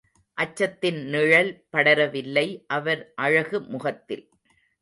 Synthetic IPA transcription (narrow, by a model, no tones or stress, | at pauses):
ʔɐt͡ʃːɐt̪ːɪnnɪɻɐlpɐɽɐɾɐʋɪlːɐɪʔɐʋɐɾʔɐɻɐɣɯmʊɣɐt̪ːɪ̰l